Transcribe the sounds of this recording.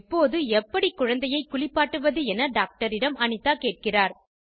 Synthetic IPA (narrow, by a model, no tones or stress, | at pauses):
pːoːðɯɛpːɐɽikːʊɻɐnd̪ɐjɐɪkːʊɭɪpːaːʈːɯʋɐðɯɛnɐɖaːk̚ʈɐɾɪɽɐmɐɳɪt̪ːaːkeːʈ̚kɪraːɾ